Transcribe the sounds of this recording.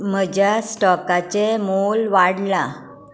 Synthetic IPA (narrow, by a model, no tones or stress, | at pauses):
m̤əd͡ʑjasʈɔkat͡ɕemolʋaɽla